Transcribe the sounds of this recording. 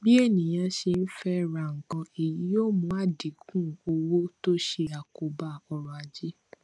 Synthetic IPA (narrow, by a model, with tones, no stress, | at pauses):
bi˦e˦˨nĩ˨j̃ã˧ʃe˧n̩˦fɛ˦˨ɾa˨ŋ̩˨kɔ̃˧i˨ji˨˦jo˦˨mũ˧˦a˦˨di˨˦kũ˦o˧wo˦to˦ʃe˧a˨ko˨ba˧˨ɔ˧ɾɔ˨a˨d͡ʒi˦